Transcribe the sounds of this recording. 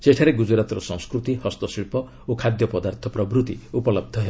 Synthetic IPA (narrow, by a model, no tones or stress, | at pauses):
seʈʰaɾeɡud͡ʒɔɾat̪ɔɾɔsɔ̰̃ŋ̃skɾut̪ihɔst̪ɔsiɭpɔ | okʰad̪jɔpɔd̪aɾt̪ʰɔpɾɔbɾut̪iupɔlɔb̚d̪ʱɔɦeb